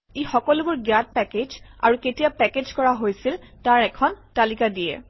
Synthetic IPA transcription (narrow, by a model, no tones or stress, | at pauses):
ixɔkɔlʊbʊɹɡjat̚pɛked͡ʒa̰ɹuketijapɛked͡ʒkɔɹaɦojsiltaɹɛkʰɔntalikadijɛ̰